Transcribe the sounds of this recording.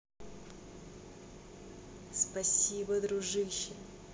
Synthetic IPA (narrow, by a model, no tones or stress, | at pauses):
spɐsʲibəd̪ɾʊʐɨɕːɪ